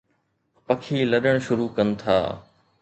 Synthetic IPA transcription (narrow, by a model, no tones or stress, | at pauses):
pɐkʰiːlɐɗəɽ̃ʃʊɾuːkɐn̆t̪ʰa̰ː